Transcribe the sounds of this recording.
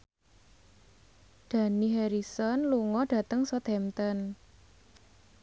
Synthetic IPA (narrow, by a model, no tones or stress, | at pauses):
d̪̥ä̤niɦɛɾisɔnluŋɔɖ̥ä̤t̪əŋsɔt̪ɛmt̪ən